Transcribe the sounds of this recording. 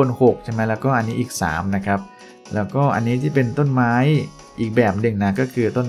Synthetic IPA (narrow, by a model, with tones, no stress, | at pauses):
o˧nho˨˩k̚t͡ɕʰa˥˩ma˦˥jlɛː˦˥wkɔː˥˩ʔa˧nːiː˦˥ʔiː˨˩k̚sa̰ː˩˦mna˦˥kʰa˦˥p̚ | lɛː˦˥wkɔː˥˩ʔa̰˧nːiː˦˥t̪ʰiː˥˩pe˧nt̪o˥˩nmaː˦˥j | ʔiː˨˩k̚bɛː˨˩p̚dɯ˧˩ŋna˦˥kɔː˥˩kʰɯː˧t̪o˥˩n